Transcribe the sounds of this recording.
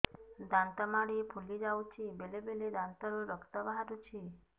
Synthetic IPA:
d̪ãnt̪əmaɽiepʰulid͡ʒaut͡ʃʰibelebeled̪ãnt̪əɾuɾəkt̪əbaɦaɾut͡ʃʰi

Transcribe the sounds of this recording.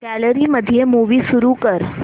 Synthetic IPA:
kɛləɾiməd̪ʱijemuʋisuɾukəɾ

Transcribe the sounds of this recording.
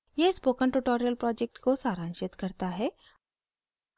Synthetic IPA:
jespoːkənʈuʈoːɾijəlpɾɔːd͡ʒek̚ʈkosaːɾãːnʃɪt̪kɐɾt̪aɦɛː

